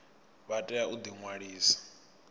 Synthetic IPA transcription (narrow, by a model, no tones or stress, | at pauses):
βatʼɛjaud̪iŋwaɺiːsḁ